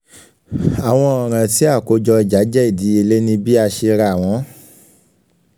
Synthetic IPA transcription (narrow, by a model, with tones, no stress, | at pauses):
a˨w̃ɔ̃˧ɔ˨ɾ̃ã˧ti˨˦a˦˨ko˨˦d͡ʒɔ˧i˧d͡ʒa˨˦d͡ʒɛ˦i˦˨di˨˦e˧le˦nĩ˦bi˦a˧ʃe˧ɾa˧˨w̃ɔ̃˨˦